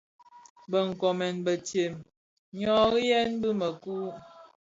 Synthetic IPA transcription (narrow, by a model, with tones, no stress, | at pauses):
bə˨ŋ̩˨kɔ˨mɛ˨nbə˨tje˨m | ɲɔ˦ɣi˦jɛ˦nbɨ˦mə˨kuː˦